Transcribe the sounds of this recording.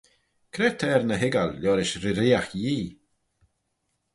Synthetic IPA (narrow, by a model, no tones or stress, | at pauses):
kʰɾɛt̪ʰɛːɾnəɦɪɡalːɔːɾɪʃɾɪɾɪːaxjiː